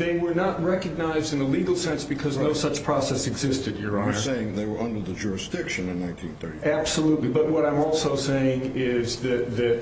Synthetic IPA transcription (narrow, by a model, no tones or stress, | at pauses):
ðeɪwə˞nət̚ɹɛkɨɡ̚naɪzdɨ̃nəliɡl̩ˠsɛ̃nsb̥ɨkʰʌznoʊsʌt͡ʃpʰɹ̥ɑsɛsɨɡzɪstɨd̚jə˞ãseɪɪ̃ŋðeɪwə˞ʔʌ̃ndə˞ðɨd͡ʒʊɹɨsd̥ɪkʃɨ̃nɨ̃nːãɪ̃ntʰĩnθɜ̰˞ɾiæb̥səlutˡlibʌt̚wʌɾãɪ̃mɔlˠsoʊseɪɪ̃ŋɪzðɨt̪̚ðɨt̚